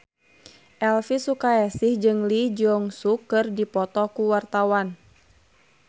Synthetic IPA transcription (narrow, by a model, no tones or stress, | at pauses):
ʔɛlfisukaɛsɪhd͡ʒɨŋlid͡ʒɔŋsukːɨrdipɔt̪ɔkuwart̪awan